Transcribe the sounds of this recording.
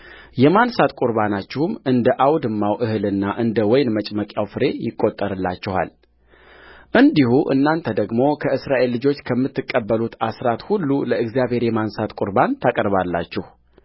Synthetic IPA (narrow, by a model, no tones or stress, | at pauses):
jɛmansat̪kʼʊɾbanat͡ʃːɪhumɨnd̪əʔawd̪ɨmːawʔɨhɨlɨnːaʔɨnd̪əwɔjnmət͡ʃʼməkʼjawfɨɾe̞jɪkʼːo̞t̪ʼːəɾɨlːa̰t͡ʃːɪha̰l | ʔɨnd̪ihuʔɨ̰nːant̪ʰəd̪əɡmo̞kʰəɨsɾaʔe̞lːɨd͡ʒo̞t͡ʃːkʰəmːɨt̪ːɨkʼːəbːəlut̪asɾat̪hulːuləɨɡzjaβhe̞ɾjɛmansat̪kʼʊɾbant̪ʰakʼəɾβalːa̰t͡ʃːɪh